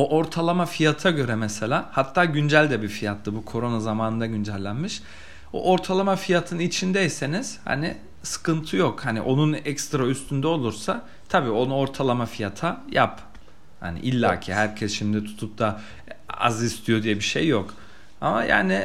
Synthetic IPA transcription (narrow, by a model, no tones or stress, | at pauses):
oʔoɾt̪ʰalˠamafijat̪ʰaɟø̞ɾɛmɛselʲaːhat̪ʰːaːɟynd͡ʒælʲd̪ɛbifijat̪ʰlɯbukʰo̞ɾo̞nazamaːnɯnd̪aɟynd͡ʒælʲːænmiʃ | o̰ʔo̞ɾt̪ʰalˠamafijat̪ʰɯnit͡ʃʰind̪ɛjse̞niz̥ha̰ni | sɯ̥kɯnt̪ʰɯjokhanḭʔo̞nunɛkst̪ɾayst̪ʰynd̪ɛo̞lˠuɾsa | t̪ʰabiːo̞nuo̞ɾt̪ʰalˠamafijat̪ʰaja̰p | ha̰nḭʔilʲːa̰ːcʰiɦæɾcʰɛsʃimd̪ɛt̪ʰu̥t̪ʰup̚t̪ʰa | a̰zist̪ʰijod̪ijɛbiʃḛjːok | a̰ma̰ja̰ːnɪ